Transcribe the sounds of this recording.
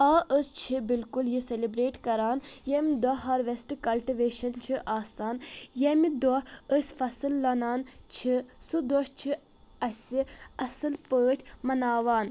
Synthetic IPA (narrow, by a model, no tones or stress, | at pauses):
aːʔəst͡ʃʰibilkuljiselibɾeːʈkɐɾaːnjemd̪ɔɦɐɾʋesʈkɐlʈiʋeːʃɐnt͡ʃʰiʔaːsaːnjemid̪ɔəsʲfɐsɨlːɐnaːnt͡ʃʰisud̪ɔʃt͡ʃʰi | ɐsʲiɐsɨlpəːʈʰʲmɐnaːʋaːn